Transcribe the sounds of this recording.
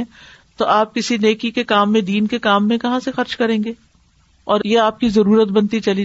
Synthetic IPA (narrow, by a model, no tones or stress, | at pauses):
ɛ̃ | t̪oʔaːp̚kɪsineːkikekaːmːẽd̪iːnkekaːmːẽkɐɦãsexɐɾt͡ʃkɐɾẽːŋɡeː | ɔːɾjeaːp̚kizɐɾuːɾət̪̚bɐnt̪it͡ʃɐli